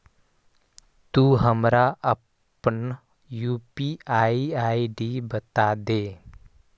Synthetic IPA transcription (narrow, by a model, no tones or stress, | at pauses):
t̪uɦəmɾaə | pən | juːpiaːiaːiɖibət̪ad̪eː